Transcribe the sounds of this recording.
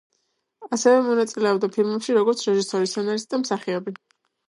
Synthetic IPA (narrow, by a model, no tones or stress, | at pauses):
asɛvɛmɔnat̪sʼilɛɔbd̪apʰilmɛpʃiɾɔɡɔɾt̪sʰɾɛʒisɔɾisɔnaɾisd̪amsaχiɔbi